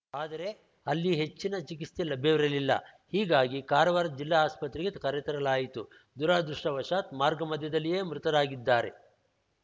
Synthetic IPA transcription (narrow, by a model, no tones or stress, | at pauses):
aːd̪ɐɾe̞ | ɐlːiɦe̞t͡ʃːinɐt͡ʃikiselɐbʱjɐʋiɾɐlilːɐ̰ | hiːɡaːɡikaːɾɐʋaːɾɐt̪̚d͡ʒilːaːaːspɐt̪ɾiɡekɐɾjɐt̪ɐɾɐlaːjit̪u | d̪uɾaːd̪ɾuʂʈɐʋɐʂaːt̪maːɾɡɐmɐd̪ʱjɐd̪ɐlːije̞ːmɾut̪ɐd̪aːɡid̪ːaːɾe̞̰